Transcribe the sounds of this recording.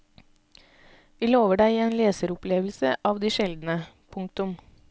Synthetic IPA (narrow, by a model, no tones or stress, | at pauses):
ʋiːloːʋəɖæɪːeːnleːsəɾʊpleːʋl̩səʔɑːʋd̪iːʃɛld̪n̩ə | pʰʊŋkt̪ʊm